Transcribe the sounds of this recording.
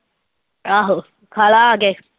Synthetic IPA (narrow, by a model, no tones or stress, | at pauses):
aɦo | kʰalaːɡe